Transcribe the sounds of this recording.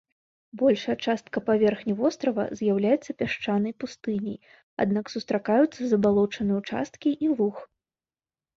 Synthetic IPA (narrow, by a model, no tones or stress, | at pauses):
bɔlʲʂɐjɐt͡ʂast̪kɐpavʲɛrxnʲivɔst̪ɾɐvɐ̰zʲjawlʲajɛt̪sːɐpʲaʂt͡ʂanɐjpust̪ɨnʲḭj | a̰d̪naksust̪ɾakajut̪sːɐzɐbalˠɔt͡ʂɐnɨut͡ʂa̰st̪̚kʲiʔilˠux